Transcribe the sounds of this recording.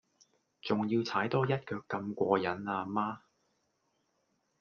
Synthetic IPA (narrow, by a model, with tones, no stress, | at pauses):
t͡sʊ˨ŋjiː˧wt͡sʰaː˨˥jt̪ɔː˥jɐ˥t̚kœː˧kːɐ˧mkʷɔː˧jɐ˨˥naː˧maː˥